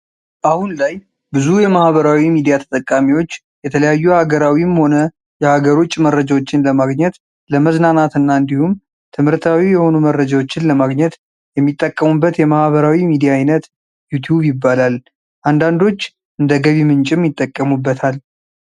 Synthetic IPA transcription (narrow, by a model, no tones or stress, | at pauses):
ʔahunlaj | bɨzujɛmahβəɾawimid̪ijat̪ʰə̥t̪ʼəkʼːamiwo̞t͡ʃː | jɛt̪ʰələjajːuhaɡəɾawimho̞nə | jɛhaɡəɾo̞t͡ʃʼːmərəd͡ʒawot͡ʃːɪnləmaɡɲɛt̪ | ləməznanat̪ɨnːaɨnd̪ihum | t̪ʰɨmhɨɾt̪ʰawijɛho̞numərːəd͡ʒawo̞t͡ʃːɪnləmaɡɲɛt̪ | jɛmːit̪ʼːəkʼːəmubːət̪jɛmahβəɾawimid̪ijaajnət̪ | jut̪ʰjuβjɪbːalal | ʔand̪and̪o̞t͡ʃː | ʔɨnd̪əɡəβimɨnt͡ʃʼɪmjɪt̪ʼːəkʼːəmubːət̪ʰal